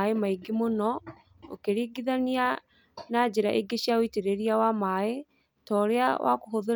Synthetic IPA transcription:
emaiɡimonɔ | o̰keɾiːɡiðania | nad͡ʑeɾaʔeɡeɕiaoiteɾeɾiawamae | tɔːɾea̰wʔa̰koɦoðo

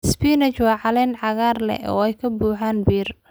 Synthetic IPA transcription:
sbiːnɛt͡ʃwɑːʕɑlɛnʕɑɣaːrlɛ̰ɔ̰ːɛjkʰɐbuːħaːnbiːr

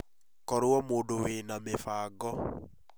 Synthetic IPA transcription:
kɔɾwɔmoːdowenamefaːɡɔ

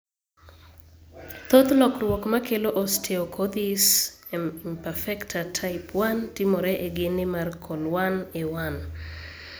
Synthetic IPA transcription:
t̪ot̪lɔkrwɔkmakeloʔɔstʰeokʰod̪is | impɛfɛktʰatʰaɪpwantɪmoɾɛʔeɡɪnɪmarkʰɔlwanewan

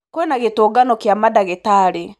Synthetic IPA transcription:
kwɛnaɣetoːɡanɔkjamadaɣetaɾe

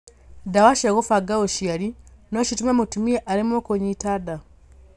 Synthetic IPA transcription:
dawaʃeɣofaɡaoʃijaɾinot͡ʃitumemutumieʔaɾimokoɲitada

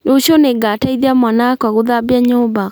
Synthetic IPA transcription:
noɕɔneŋɡataiðiamwanakwaɣoðabiaɲoba

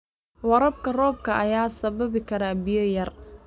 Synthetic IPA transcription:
wɐɾɐbkʰɐrɔːb̚kʰɐʔɐjaːsɐβɐβɪkʰɐɾaːbɪjɔjɐr

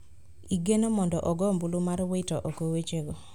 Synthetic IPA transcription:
iɡenomɔndɔʔɔɡɔmbulumarwetɔʔokowet͡ʃeɡo

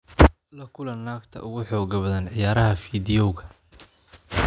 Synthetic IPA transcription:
lɐkʰʊlɐnːaːkt̪ʰɐ̰ʔʊɣʊħɔːɣɐβɐðɐnʕɪjaːɾɐɦɐfiːðɪjɔwɣɐ

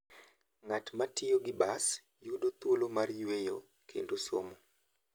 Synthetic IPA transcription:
ŋatmatɪjoɡɪbas | judot̪wolomarjwejo | kʰḛndoso̰mo

